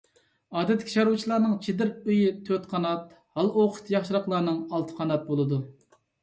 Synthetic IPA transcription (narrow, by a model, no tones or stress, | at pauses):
ɑːd̪ɛt̪ʰːɪ̥kʲi̥ʃɑɾut͡ʃʰilˠɑɾnɨŋt͡ʃʰid̪ɪɾyjit̪ʰøt̪qʰɑnɑt̪̚ | hɑlˠoqʰʊ̥t̪ʰjɑχʃiɾɑqlˠɑɾnɨŋɑlˠt̪ʰɨ̥qʰɑnɑt̪̚bolˠɨd̪u